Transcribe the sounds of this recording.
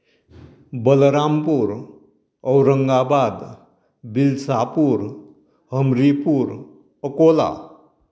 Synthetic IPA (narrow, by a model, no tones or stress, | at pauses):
bəlɾampuɾ | əwɾəŋɡabad̪ | bilsapuɾ | ɦəmɾipuɾ | əkola̰